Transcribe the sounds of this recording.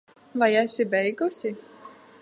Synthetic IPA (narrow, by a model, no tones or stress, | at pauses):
vajæsʲɪbʲɛjɡʊsʲɪ